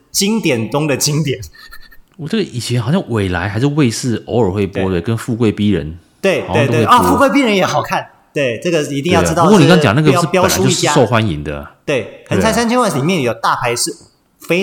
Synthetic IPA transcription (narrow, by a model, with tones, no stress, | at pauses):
t͡ɕi˥ŋt̪jɛ˨˩nʈ͡ʂʊ˥ŋd̪ə˨t͡ɕi˦ŋt̪jɛ˨˩˦nwɔ˨˩ʈ͡ʂə˥˩ə˩ʔi˨˩t͡ɕʰjɛ˧˦nxɑ˨˩ʊɕjɑ˥˩ŋwe˨˩ɪla̰˧˥ɪxa˧ɪʂ̬̩˥˧we˥˧ɪsɹ̩˥˩o˧˥ʊə˞˨˩xwe˥˩ɪpwwɔ˥t̪we˥˩ɪkə˦˥nfu˥˧kwe˥˩ɪpi˥ɻə̰˧˦n | t̪we˥˩ɪtwe˥˧ɪt̪we˥˨ɪɔ˥˧fu˥˧kwe˥˩ɪp̬i˥ɻə˧˦njɛ˧˥xɑ˨˩ʊkʰa˥˩n | t̪we˥˩ɪʈ͡ʂɤ˥˩ɡə˨i˧˥t̪i˥˧ŋjɑ˥˩ʈ͡ʂ̩̪˥ɑ˥˨˧kɔ˥˨ni˨kɑ˥ŋt͡ɕɑ˨ŋn˥ɡə˧jɑ˥˧˥pjɑ˥˨ʊ˨˧˦u˥i˥t͡ɕja˥˦˥ʂo˥˧ʊxwa˦nḭ˧˥ŋd̪ə̰˨t̪we˥˩ɪxə˨˦nt͡sʰa˧˥sa˥nt͡ɕʰi˥wa˥˩li˨˩mjɛ˥˩njo˨˩ʊt̪a˥˨pʰa˧˥ɪʂɻ̩˥˩ | fe˥ɪ